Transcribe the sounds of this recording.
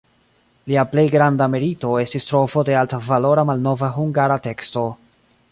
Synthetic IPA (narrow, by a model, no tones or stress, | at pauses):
liaple̞jɡɾandameɾito̞e̞stistɾo̞fo̞de̞altavalo̞ɾamalno̞vaɦuŋɡaɾate̞ksto̞